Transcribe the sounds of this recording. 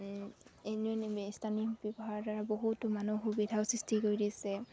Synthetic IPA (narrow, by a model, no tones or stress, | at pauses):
enɔnstʰanibɔbɔɦaɹdɔɹaboɦutʊmanuxubidʱaʊsɹistʰikoɹjdisɛ